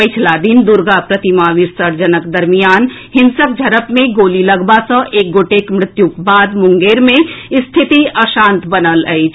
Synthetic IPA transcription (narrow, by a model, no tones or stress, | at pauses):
pəɪt͡ʃʰlad̪ind̪uɾɡapɾət̪imaʋɪɾsəɾd͡ʒənəkd̪əɾmijaːn | hɪnsək̚d͡ʒʱəɾəpmẽɡoːliləɡbasə̃ʔeːk̚ɡoʈekmɾɪt̪jukbaːd̪mʊŋɡeːɾmẽst̪ʰit̪iəʃãːnt̪bənələ̰ɪt͡ʃʰ